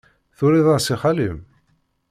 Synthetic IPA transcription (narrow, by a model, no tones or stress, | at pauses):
θʊɾiðˤɑɾsiχalim